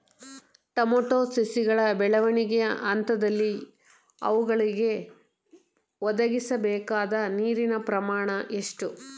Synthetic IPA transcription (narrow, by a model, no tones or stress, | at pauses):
ʈɐmoːʈoːsisiɡɐɭɐbɛɭɐʋɐɳiɡɛjɐʔɐnt̪ɐd̪ɐlːi | ɐ̰ʋuɡɐɭiɡe̞ | ʋɔd̪ɐɡisɐbɛːkaːd̪ɐniːɾinɐpɾɐmaːɳɐʔe̞ʂʈu